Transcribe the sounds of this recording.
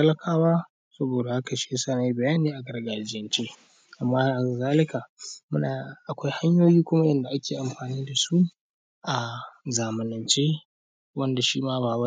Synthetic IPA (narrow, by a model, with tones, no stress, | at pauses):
ɐ˦lɐ˦kʰaː˦waː˦ | sɐ˦boː˨da˨ha˦ka˨ʃe˦saː˦na˨ji˦bɐ˨jaː˦niː˦ʔa˨ɡɐ˦rɡaː˨d͡ʒɪ˦jɐ˦nt͡ʃeː˦ | ʔa˨mːaː˦ha˨zaː˦lɪ˦kaː˨mʊ˦naː˨ʔa˨kʷa˦jha˦ɲjoː˦jiː˦kʷʊ˦ma˦jɛ˦nda˨ʔa˦kʲeː˨ʔa˨mɸaː˨niː˦da˨su˦ | ʔa˨zaː˨mɪ˨nɐ˨nt͡ʃeː˦ | wɐ˦nda˨ʃiː˦maː˦baː˨bɐ˦